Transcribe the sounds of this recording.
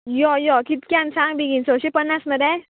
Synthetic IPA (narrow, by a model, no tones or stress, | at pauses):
jɔjɔkit̪kʲjãnsãŋɡb̪iɡinsõɕepənːasməd̪ɛ